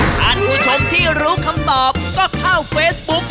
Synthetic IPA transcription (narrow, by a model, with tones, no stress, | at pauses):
aː˨˦nu˨˩t͡ɕo˨˩mt̪ʰi˧˩əɾuː˨˦˥kʰa˧mt̪ɔː˨˩p̚kɔː˧˩kʰaː˧˩wfe˦˥sɓu˦˥k̚